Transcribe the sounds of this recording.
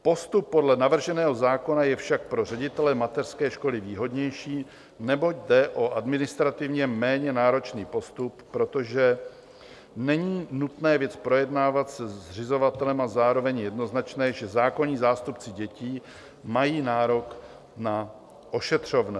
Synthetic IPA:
po̞st̪upːo̞dlɛnavr̩ʒɛnɛːɦo̞zaːko̞najɛfʃak̚pɾo̞r̝ɛɟɪt̪ɛlɛmat̪ɛr̥skɛːʃko̞lɪviːɦo̞dɲɛjʃiː | nɛbo̞ɟdɛʔo̞ʔadmɪnɪst̪ɾat̪ɪvɲɛmɛːɲɛnaːɾo̞t͡ʃniːpo̞st̪upːɾo̞t̪o̞ʒɛ | nɛɲiːnut̪nɛːvjɛt͡spɾo̞jɛdnaːvat̪sɛr̝ɪzo̞vat̪ɛlɛmazaːɾo̞vɛɲjɛdno̞znat͡ʃnɛːʒɛzaːkoɲiːzaːst̪upt͡sɪɟɛciː | majiːnaːɾo̞k | na | ʔo̞ʃɛt̪r̝̥o̞vnɛ

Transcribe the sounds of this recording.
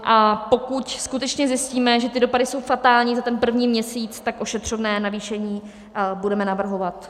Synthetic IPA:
ʔapo̞kucskut̪ɛt͡ʃɲɛzjɪsciːmɛʒɛt̪ɪdo̞padɪso̞wfat̪aːlɲiːzat̪ɛnpr̩vɲiːmɲɛsiːt͡st̪akʔo̞ʃɛt̪r̝̥ovnɛːnaviːʃɛɲiː | budɛmɛnavr̩ɦo̞vat̪

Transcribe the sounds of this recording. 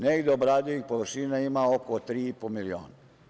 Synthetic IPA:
neɡd̪eobɾaːd̪ioixpoʋəɾʃinaimaokot̪ɾiːipomilio̰ːna

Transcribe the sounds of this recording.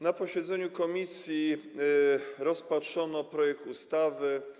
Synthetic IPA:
napɔɕɛd̪zɛɲukɔmʲisʲji | ɾɔspatʂɔnɔpɾɔjɛk̚t̪ust̪avɘ

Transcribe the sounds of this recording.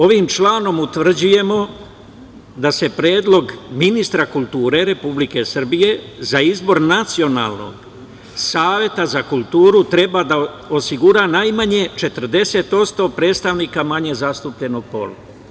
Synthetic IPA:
o̞ʋimt͡ʃlaːno̞mut̪ʋr̩d͡ʑuje̞mo̞ | d̪ase̞pɾeːd̪lo̞ɡminist̪ɾakulˠt̪uːɾe̞ɾe̞publike̞sr̩bije̞zaizbo̞ɾnat̪sio̞na̰ːlˠno̞̰ɡ | saːʋje̞t̪azakulˠt̪uːɾut̪ɾe̞bad̪a | o̞siɡuɾaːnajmaɲe̞t͡ʃe̞t̪r̩d̪e̞se̞t̪o̞t̪st̪o̞pɾe̞ːd̪st̪aʋniːkamaɲe̞zast̪upʎe̞noɡ̚po̞̰la

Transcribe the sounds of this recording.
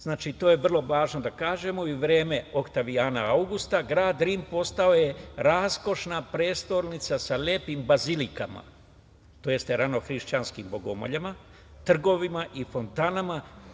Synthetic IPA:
znaːt͡ʃit̪o̞ːje̞ʋr̩lˠo̞ʋaːʒno̞d̪akaːʒe̞moiʋɾe̞ːme̞o̞kt̪aʋijaːnaawɡust̪aɡɾaːd̪ɾiːmpo̞st̪ao̞je̞ɾaːsko̞ʃnapɾeːst̪o̞ɾnit̪sasaleːpimbazilika̰ma̰ | t̪oje̞st̪eɾano̞xɾiʃt͡ɕanskimbo̞ɡo̞̰mo̞̰ʎama | t̪r̩ɡo̞ʋimaʔifo̞nt̪anama

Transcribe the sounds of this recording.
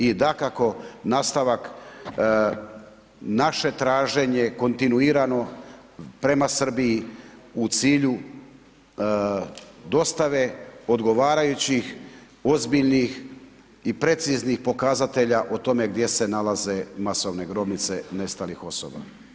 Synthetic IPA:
id̪akako̞naːst̪aʋak | naʃe̞t̪ɾaːʒe̞ɲe̞ko̞nt̪inuiːɾano̞ | pɾe̞masr̩biːut̪siːʎu | d̪o̞st̪aʋe̞o̞d̪ɡo̞ʋaːɾajut͡ɕix | o̞zbiʎnix | ipɾe̞t̪siznixpo̞kazat̪e̞ʎaʔot̪o̞me̞ɡd̪je̞se̞nalaze̞maso̞ʋne̞ɡɾo̞bnit̪se̞ne̞st̪alixo̞so̞̰ba̰

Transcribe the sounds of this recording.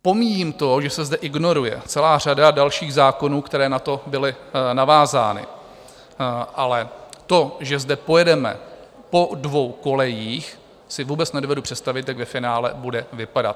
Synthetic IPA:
po̞miːjiːmt̪o̞ʒɛsɛzdɛʔɪɡno̞ɾujɛ̰t͡sɛlaːr̝adadalʃiːɣzaːko̞nuːkt̪ɛɾɛːnat̪o̞bɪlɪnavaːza̰ːnɪ̰ | ʔalɛt̪o̞ʒɛzdɛpo̞jɛdɛmɛ̰ | po̞dvo̞wko̞lɛjiːx | sɪvuːbɛt͡snɛdovɛdupr̝̥ɛt̪st̪avɪt̪jaɡvɛfɪnaːlɛ̰budɛvɪpada̰t̪̚

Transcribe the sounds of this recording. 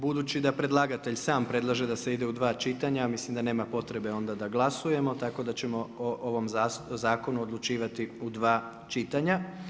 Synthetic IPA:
bud̪uːt͡ʃid̪apɾe̞d̪lˠaɡat̪e̞ʎsaːmpɾe̞d̪lˠaʒe̞d̪ase̞id̪e̞ud̪ʋaːt͡ʃit̪aɲamislimd̪ane̞ːmapo̞t̪ɾe̞beo̞nd̪ad̪aɡlˠasuje̞mo̞t̪ako̞d̪at͡ɕe̞mo̞oʔoʋo̞mzazaːko̞nuod̪lˠut͡ʃiːʋat̪iud̪ʋaː | t͡ʃit̪aɲa

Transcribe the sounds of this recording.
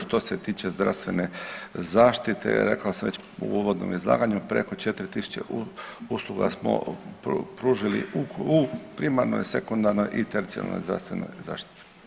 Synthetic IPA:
ʃt̪o̞set̪iːt͡ɕe̞zd̪ɾa̰st̪ʋe̞nezaːʃt̪it̪ʰḛɾḛkaosamʋet͡ɕ | ṵuʋod̪no̰mizlˠa̰ːɡaɲupɾe̞kot͡ʃet̪ɾit̪isu̥t͡ɕḛʔuuslˠuɡa̰smo̰ | pɾuːʒilḭuupɾimaɾno̰jse̞kond̪aɾnojʔit̪eɾdit̪sio̰na̰lːnːo̰jzd̪ɾa̰st̪ʋe̞̰no̰jza̰ːʃt̪i̥t̪i̥

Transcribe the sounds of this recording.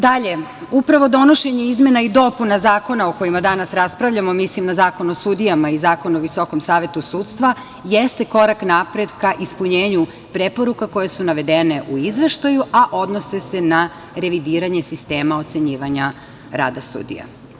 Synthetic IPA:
d̪aʎe̞upɾaʋo̞d̪o̞no̞ʃe̞ɲe̞izme̞naid̪o̞punazaːko̞naoko̞jimad̪anasɾaspɾaʋʎʲamo̞mislimnazaːko̞nosud̪ijamaizaːko̞nuoʋiso̞ko̞msaːʋe̞t̪usuːt̪st̪ʋa | jest̪e̞ko̞ɾaknapɾe̞d̪kaʔispuɲeːɲu | pɾe̞po̞ɾukako̞jesunaʋe̞d̪ene̞ʔuizʋe̞ʃt̪ajuʔaʔo̞d̪no̞se̞se̞na | ɾe̞ʋid̪iːɾaɲe̞sist̪e̞ːmao̞t̪se̞ɲiːʋaɲa | ɾa̰ːd̪asṵd̪ḭja̰

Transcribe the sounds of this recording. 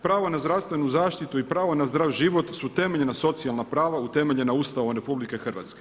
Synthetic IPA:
pɾaːʋonazd̪ɾaʋst̪ʋe̞nuzaːʃt̪it̪uipɾaːʋonazd̪ɾaʋʒiʋo̞t̪sut̪e̞me̞ʎenaso̞t̪sialˠnapɾaːʋaut̪e̞meʎe̞nauːst̪aoomɾe̞publike̞xr̩ʋa̰t̪ske̞

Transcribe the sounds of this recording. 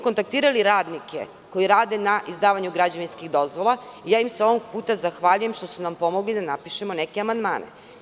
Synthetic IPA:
ko̞nt̪ak̚t̪iːɾaliɾaːd̪nikḛ | ko̞jiɾaːd̪e̞naʔizd̪aːʋaɲuɡɾad͡ʑaʋinskiɣd̪o̞zʋo̞lˠaijaːjimseo̞ʋoɡ̚puːt̪azaxʋaʎuje̞mʃt̪o̞sunampo̞mo̞ɡlid̪anapiʃe̞mo̞nekeamand̪ma̰ːnḛ

